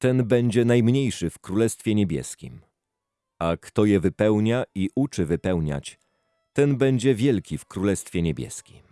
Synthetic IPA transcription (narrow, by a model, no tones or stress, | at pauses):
t̪ɛnbɛɲd͡ʑɛnajmɲejʂɘfkɾulɛst̪fʲjɛɲebʲjɛ̰skʲḭm | akt̪ɔjɛvɘpɛwɲaiʔut͡ʂɘvɘpɛwɲa̰t͡ɕ | t̪ɛnbɛɲd͡ʑɛvʲjɛlkʲifkɾulɛst̪fʲjɛɲebʲjɛ̰skʲim